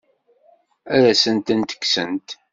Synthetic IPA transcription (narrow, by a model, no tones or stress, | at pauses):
æɾæsənt̪ənt̪ə̥kːsənt̪